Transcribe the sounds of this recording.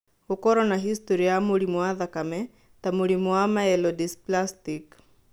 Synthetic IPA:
okɔɾɔnaɦist̪oɾiamoɽimwaðakamɛ | t̪amoɽimoamaɛlɔdisplastik

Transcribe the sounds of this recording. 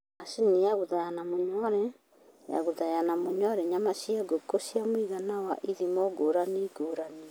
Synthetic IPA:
asinijaɣuðajanamoɲɔɾɛ | ja̰ɣoðajanamoɲɔɾɛɲamasiaɡokosiamwiɣanawaʔiðimɔɡoɾaneɡoɾane

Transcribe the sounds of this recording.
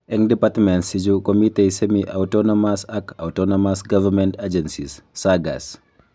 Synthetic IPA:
ɛŋdipatmɛnsid͡ʒukomitesemiʔawtɔnomasakawtonomasɡavɐɾmɛntad͡ʒɛnsisːaɡa̰s

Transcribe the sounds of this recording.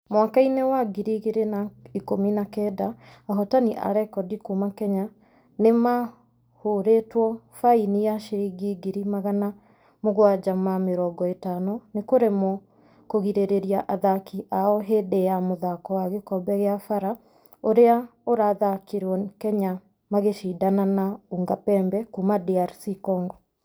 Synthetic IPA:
mwakainewaɡiɾiɣeɾenaikominakɛdaːɦɔtaniʔa̰ɾɛkɔdikumakɛɲa | nema | hoɾetwɔ | fainijaʃeɾiɡiɡiɾimaɣana | moɣwad͡ʒamameɾɔːɡɔetanonekoɾemɔ | koɣiɾeɾeɾiaʔaðakiʔaɔɦedejamoðakɔwaɣekɔbɛɣeafaɾa | oɾeaoɾaːðakeɾwɔkɛɲa | maɣeʃidananauŋɡapɛːmbɛkumadiaɾsikɔːŋɡɔ

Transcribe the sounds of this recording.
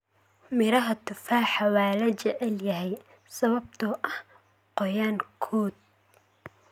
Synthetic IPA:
mɪɾɐɦɐt̪ʰʊfaːħɐwɑːlɐt͡ʃɛʕɛljɐɦɛj | sɐβɐb̚t̪ʰʊʔɐh | qɔjaːŋkʰɔːd̪̚

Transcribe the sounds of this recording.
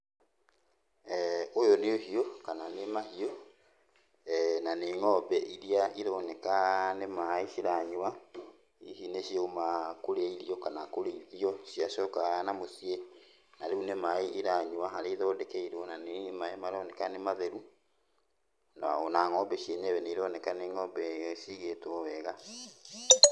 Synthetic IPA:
ojɔneoɦiɔkananemahiɔ | naneŋɔbɛʔiɾiaʔiɾɔnɛkanemaiʃiɾaɲwa | ihineɕiomakoɾeiɾiɔkanakoɾeiɾiɔʃiaʃɔkaɣanamosie | naɾeunemaiʔiɾaɲuwaɦaɾeiðɔːdɛkɛiɾɔnanemaemaɾɔnɛkanemaðeɾu | naonaŋɔbɛʃieɲɛβɛneiɾɔnɛkaneŋɔbɛʃiɣetwɔwɛɣa

